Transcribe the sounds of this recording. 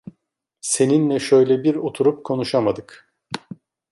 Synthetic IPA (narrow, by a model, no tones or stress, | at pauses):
se̞ninlʲɛʃø̞jlʲɛbiɾo̞t̪ʰuɾup̚kʰo̞nuʃamad̪ɯk